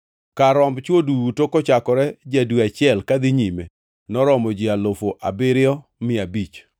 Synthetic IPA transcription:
kaɾɔmbt͡ʃwodutokɔt͡ʃakɔɾɛd͡ʒadwiat͡ʃɪɛlkad̪ɪɲime | nɔɾɔmɔd͡ʒɪalofoʔa̰bɪɾɪɔ | mɪabit͡ʃ

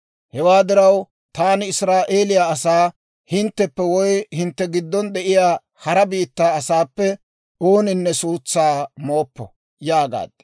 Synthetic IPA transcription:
hɛwaːd̪ɪɾɐw | t̪aːnɪɪsɾaːʔe̞ːlɪjaːɐsaː | hɪnt̪ːɛpːɛwɔjhɪnt̪ːɛɡɪd̪ːɔnd̪ɛʔɪjaː | hɐɾɐbiːt̪ːaːɐsaːpːɛ | oːnɪnːɛsuːt͡sːaːmo̞ːpːɔ̰ | jaːɡa̰ːd̪̥

